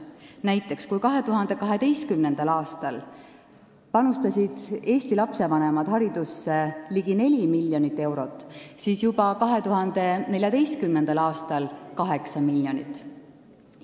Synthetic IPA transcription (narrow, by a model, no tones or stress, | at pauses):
næjt̪ːˑe̞kskujkɑɦe̞t̪uɦɑnd̪̥e̞kɑɦe̞d̪e̞jst̪̚kymnend̪̥ɑlɑːst̪ɑl | pɑnust̪ɑsʲid̪̥e̞ːsʲt̪ilɑpse̞vɑnemɑd̪̥hɑɾid̪̥usːe̞liɡ̥ine̞lʲimilʲːjo̞nit̪ːˑe̞wɾo̞t̪ːˑsiːsjubɑkɑɦe̞t̪uɦɑnd̪̥e̞ne̞lʲjɑd̪e̞jst̪̚kymnend̪̥ɑlɑːst̪ɑlkɑɦe̞ksɑmiljo̞nit̪ːˑ